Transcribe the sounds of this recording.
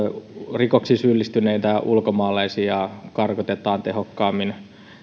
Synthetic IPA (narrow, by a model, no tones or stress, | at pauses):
rikoksisylːist̪yneit̪æʔulkomɑːlɑisiɑkɑrkot̪et̪ˑɑːnt̪ehokːɑːmːin